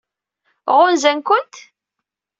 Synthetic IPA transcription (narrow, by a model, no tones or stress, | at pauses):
ʁʊnzænkʊnt̪